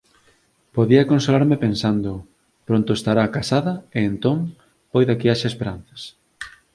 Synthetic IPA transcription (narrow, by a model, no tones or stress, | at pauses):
poðiɐkonsolaɾmepensand̪o | pɾont̪ʊest̪aɾakasaðɐeːnt̪oŋ | pojðakiaʃaespeɾan̟θɐ̥s